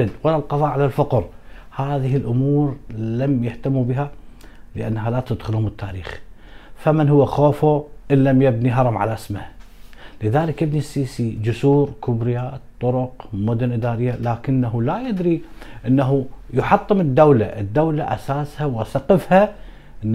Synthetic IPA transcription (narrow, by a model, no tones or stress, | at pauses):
dwalːalqɑðˤɑːʔʕalalfaqɾ | haːðɪhɪlʔʊmuːɾlamjaht̪amːubɪɦa | lɪʔanːaɦalat̪ad̪xʊlhʊmɪt̪ʰːa̰ːɾiːxfamɪnhʊwːaxoːfuʔɪnːamjabniɦɑɾˤɑmʕa̰laʔɪsma | lɪðaːlɪkʔɪbnisiːsid͡ʒʊsuːɾkʊbɾɪjat̪ˤːʊɾʊqmʊd̪ʊnʔɪd̪aːɾɪjːalaːkɪnːaɦulajad̪ɾiʔɪnːaɦujʊħɑt̪ˤːɨmɪd̪ːawlaʔɪd̪ːawlaʔa̰saːshawasaqəfha | ʔ